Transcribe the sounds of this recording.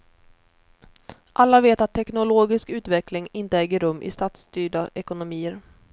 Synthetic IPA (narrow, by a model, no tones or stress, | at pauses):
ʔalːaveːt̪at̪ʰːɛknʊloːɡɪskʉ̟ːt̪vɛklɪŋɪnt̪əɛːɡəɾɵmːʔɪ̰st̪aːt̪st̪yːɖaʔɛkʊnʊmiːəɾ